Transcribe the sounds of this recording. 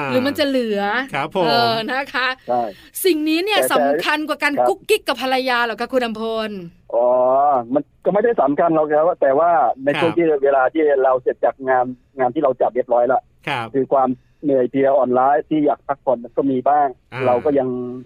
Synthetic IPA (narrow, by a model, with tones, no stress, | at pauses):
ɾɯː˩˦ma˧nt͡ɕa˨˩lɯ˨˩˦ɐ˨ʔɤː˨˩na˦˥kʰa˦˥t͡ɕʰa˥˩j | si˨˩ŋniː˦˥ni˥˩ɐ˨˩sa˩˦˨mkʰa˧nkwaː˨˩kaː˧n˦u˦˥kːi˦˥kːa˨˩pʰːa˧la˧jaː˧laː˨˩kʰaː˦˥˩kʰu˧nʔa˧mpʰo˧n | ʔɔː˨˩˦ma˧nkɔː˥˩ma˥˩jda˥˩sa˩˦mkʰa˧nla˦˩kʰa˦˥t̪ɛː˨˩waː˥˩na˧jt͡ɕʰu˥˩ət̪ʰiː˥˩weː˧laː˧t̪ʰiː˥˩ɾa˧wse˨˩t̪̚t͡ɕaː˨˩k̚ŋaː˧n | ŋaː˧nt̪ʰiː˥˩ɾa˧wt͡ɕa˨˩p̚we˦˥˩p̚ɾɔː˦˥jla˧˩ʔ | kʰɯː˧kʰwaː˧m | nɯ˨˩əjpʰi˧ʔɔː˨˩nlaː˨˦˥jt̪ʰiː˥˩jaː˨˩k̚t̪ʰa˦˥k̚pʰo˧˩nma˧nkɔː˥˩miː˧baː˥˩ŋɾa˧wkɔː˥˩ja˧ŋ